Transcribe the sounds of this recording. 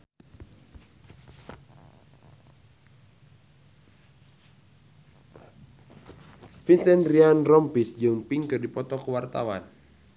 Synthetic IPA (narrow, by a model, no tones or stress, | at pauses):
finsɛnrianrɔmpisd͡ʒɨŋpiŋkɨrdipɔt̪ɔkəwart̪a̰wa̰n